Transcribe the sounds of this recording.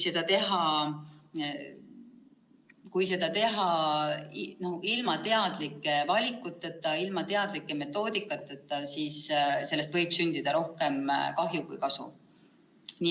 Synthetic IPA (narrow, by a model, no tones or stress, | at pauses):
se̞d̪̥ɑt̪e̞ɦɑ | kujse̞d̪̥ɑt̪e̞ɦɑ | noilmɑt̪e̞ɑd̪̥likːˑevɑlʲikˑːut̪ːˑet̪ːˑɑilmɑt̪e̞ɑd̪likːˑeme̞t̪ːˑo̞ːd̪̥ikːˑɑt̪ːˑet̪ːˑɑsisse̞lːest̪vɤjb̥synd̪̥id̪̥ɑɾo̞hke̞mkɑɦjukujkɑsṵ | nʲi